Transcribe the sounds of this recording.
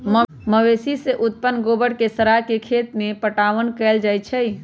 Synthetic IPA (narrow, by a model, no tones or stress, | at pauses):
mə | məʋesiseʔut̪̚pənɡobəɽkesəɾaɦkekʰet̪mepəʈaʋənkɛɪld͡ʒajt͡ʃʰɛj